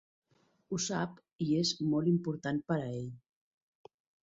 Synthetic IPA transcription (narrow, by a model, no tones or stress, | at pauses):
usap | iezmɔlimpuɾt̪anpəɾəeʎ